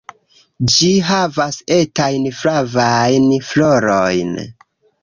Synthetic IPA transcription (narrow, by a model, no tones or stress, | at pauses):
d͡ʒiɦavase̞tajnfɾavajnfloɾojn